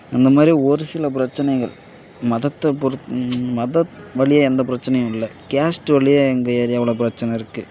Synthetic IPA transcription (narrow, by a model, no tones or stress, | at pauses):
ɪnd̪ɐmaːd̪ɾiɔɾɯsɪlɐp̬ɪɾɐt͡ʃːɐnɐɪɣɐ̰ɭ | mɐðɐt̪ːɐpɔɾɯmɐðɐtʋɐɭɪjaɛnd̪ɐpɪɾɐt͡ʃːɐnɐjʊ̃mɪlːɐkaːsʈʋɐɭɪjaɛŋɡɐɐɾjɐːʋɐɭɐp̬ɪɾɐt͡ʃːɐnɐɪɾɯkːɯ